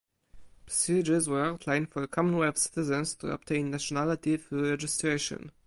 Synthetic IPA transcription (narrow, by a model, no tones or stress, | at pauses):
pʰɹəsid͡ʒəzwə˞awt̪ʰlãj̃nfɔəkʰɔmɔ̃nwɛbsɪ̥t̪ɪzɛ̃nst̪ʰṵɔ̰p̚t̪ʰẽɪ̃nːaʃɔnalɪt̪ifuɹɛd͡ʒɪstɹeɪʃɔ̰̃n